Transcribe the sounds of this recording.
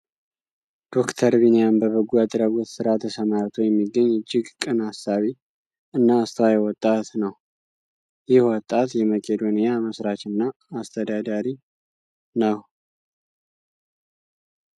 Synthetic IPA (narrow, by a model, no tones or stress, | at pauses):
d̪̥o̞kt̪ʰəɾβinijambəβəɡuad̪ɾəɡɔt̪sɨɾat̪ʰəsəmaɾt̪ʰojɛmːiɡːəɲːɪd͡ʒːɪɡkʼɨnasːaβi | ɨnːaːst̪ʰəwajɛwɔt̪ʼːat̪nəw | jɪhwɔt̪ʼːat̪jɛməkʼed̪onijaməsɾat͡ʃɨnːaː | st̪ʰəd̪ad̪aɾi | nəw